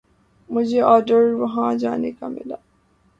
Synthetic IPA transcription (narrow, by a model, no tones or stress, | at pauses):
mʊd͡ʒʱeʔɔːɾɖəɾʋɐɦãd͡ʒaːnekamɪ̰laː